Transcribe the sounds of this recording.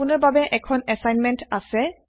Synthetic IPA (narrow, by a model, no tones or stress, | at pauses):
unɔɹbabɛʔɛkʰɔnɛsajnmɛntasɛ